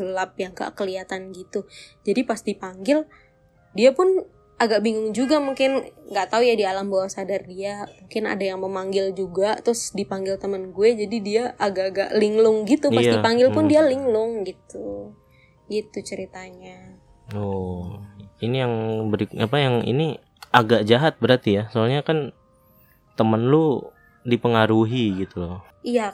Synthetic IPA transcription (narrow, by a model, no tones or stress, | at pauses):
ɡəlap̚jaŋka̰kəliat̪anɡit̪ud͡ʒadipast̪ipaŋɡɪl | diapʊn | aɡaʔ̚biŋʊŋd͡ʒuɡamuŋkɪnŋɡaʔt̪aujadialambawasadardiamuŋkɪna̰dajaŋməmaŋɡɪld͡ʒuɡat̪ɾʊsdipaŋɡɪlt̪əmənɡuɛd͡ʒadidiaʔːɡaʔɡaʔliŋlʊŋɡit̪upaipaŋɡɪlpʊndialiŋlʊŋɡit̪u | ɡit̪ut͡ʃəɾit̪aɲa | o | inijaŋbəɾikapajaŋḭni | aɡaʔd͡ʒaɦat̪̚bəɾart̪ijasoalɲakan | t̪əmənlu | dipəŋaɾuɦiɡit̪u | ija